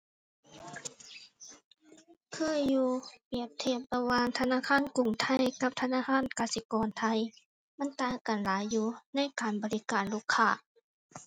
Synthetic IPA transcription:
kʰɯː˧˥˨juː˧pi˨˧˩əp̚t̪ʰe˧˩p̚la˧waː˧ŋt̪ʰa˧naː˧˥˨kʰaː˧˥˨nku˨˩ŋt̪ʰa˧˥jka˧˥p̚t̪ʰa˧naː˧˥˨kʰaː˧˥˨nkaː˧˩si˧˦kɔː˨nt̪ʰa˧j | ma˧˥˨nt̪aː˧˩ka˨˩nlaː˨˦jːuː˧na˧˥˨jkaː˨˩nbɔː˨˦li˦˧˥kaː˨nluː˧˩˨kʰːaː˧˩

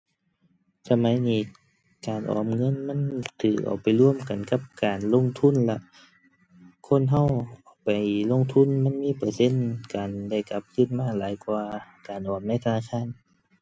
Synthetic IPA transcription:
sa˧ma˨˦jniː˧˩ | kaː˨nʔɔ̰ː˨mŋɤ˧˥˨nma˧˥˨nt̪ʰɯː˨˩k̚ʔa̰˨˩wpa˨jlu˧˥˨əmka˨nka˧˥p̚kaː˨˩nlo˧˥˨ŋt̪ʰu˧˥˨nla˧ʔ | kʰo˧˥˨nɦa˧˥˨wʔaː˨˩wpa˨˩jlo˧˥˨ŋt̪ʰu˧˥˨nma˧˥˨nmiː˧˥˨pɤː˨˧˩se˧˥˨nkaː˨nda˧˥˩jka˧˦p̚kʰɯː˧˥˨nmaː˧˥˨laː˨˦jkwaː˧kaː˨nʔɔː˨˩mna˧˥˨jt̪ʰa˧naː˧˨˩kʰaː˧˥˨n

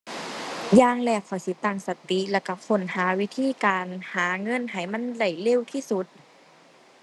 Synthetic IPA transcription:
jaː˧˨ŋlɛː˧˩k̚ʰɔ˨˩˦si˧˦t̪aː˧˩ŋsa˨˧˦t̪i˧˦lɛː˧˩ka˧˩pʰo˨˧˦nhaː˨˩˦wi˦˥t̪ʰiː˧˥˨kaː˨˩nhaː˩˦ŋɤ˧˥˨nɦa˨˩jma˧˥˨nda˧˩jle˧˥˨wt̪ʰiː˧˥˨su˧˦t̪̚

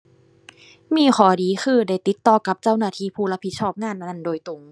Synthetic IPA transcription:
miː˧˩˨xʰɔː˨˩˦diː˨˦xʰɯː˧˩da˧˩jt̪i˨˦t̪ːɔː˧˩ka˧˦p̚t͡ɕa˧˥˩wnaː˧˩t̪ʰiː˧˩pʰuː˧˩la˧˥pʰi˧˦sʰɔː˥˩p̚ŋaː˧˥˨nʔa˧na˧˥˩ndoː˧˩jt̪u˨˩˦ŋ

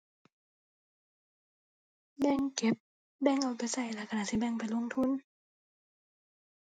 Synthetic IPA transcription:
bɛ˧˨ŋke˧˦p̚ | bɛː˧˩˨ŋʔa˨˧˩wpa˨jsa˨˩jlaː˧˨kʰa˧naː˧˨si˧˩bɛ˧˩˨ŋpa˨jlo˧˥˨ŋt̪ʰu˧˥˨n

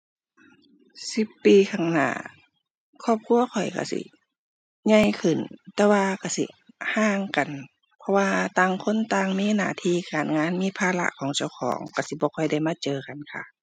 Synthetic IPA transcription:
si˧˦pːiː˨kʰaː˧˩ŋna̰ː˧˩ | kʰɔː˧˩p̚kʰu˧˥˨ɐkʰɔ˨˩jka̰˧˩sḭ˧˦ | ɲa˧˨jkʰɯ˨˩nt̪ɛː˧waː˧ka˧˩sḭ˧˦ | haː˧˥ŋka˨˩n | pʰɔ˧waː˧t̪aː˧˩ŋkʰo˧˥˨nt̪aː˧ŋmiː˧˥˨naː˧˩t̪ʰiː˧˥˨kaː˨˩nŋaː˧˥˨nmiː˧˥˨pʰaː˧˨la̰˧˨ʔkʰɔː˨˩˦ŋt͡ɕa˧˩˨wkʰɔ̰ː˨˦ŋka˧˩si˧˦bɔː˧˦kʰɔ˧˩jda˧˩˨jmaː˧˥˨t͡ɕɤː˨ka˨nkʰa̰˧˩

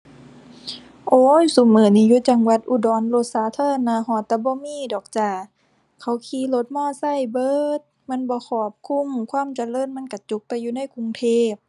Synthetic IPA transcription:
ʔoː˧˦jsu˨˦mɤː˨˦niː˧˨juː˧˦t͡ɕa˧ŋwa˧˦t̪̚ʔu˧dɔː˨˦nlo˧˦t̪̚saː˨˦t̪ʰɤː˧˥˨naː˧˩hɔː˧˦t̪ːɛː˧˦bɔː˧˦miː˧˥˨dɔː˨˩k̚t͡ɕaː˧˩ | kʰa˧˩wkʰiː˧˦lo˧˦t̪̚mɔː˧˥˨sa˧˩˨jbɤː˧˦˨t̪̚ma˧˥˨nbɔː˧˦kʰɔː˧˩p̚kʰu˧˥˨mkʰwaː˧˥˨mt͡ɕa˧˨lɤː˧˥˨nma˧˥˨nka˧˩t͡ɕu˧˦k̚t̪ɛː˧˦juː˧˦na˧˥˨jkʰu˧ŋt̪ʰeː˧˥˩p̚

